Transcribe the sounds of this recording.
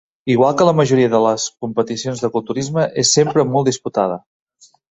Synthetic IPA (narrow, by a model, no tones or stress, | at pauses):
iɣ̞walˠkələməʒuɾiəðələskumpət̪isionzðəkulˠt̪uɾizməʔesːempɾəmɔlˠd̪isput̪aðə